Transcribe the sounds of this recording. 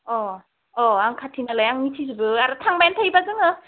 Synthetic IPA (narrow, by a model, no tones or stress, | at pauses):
ɔ | ɔaŋkʰatʰinalajaŋmitʰizibɯaɾɯtʰaŋmajntʰajbazɯŋɯ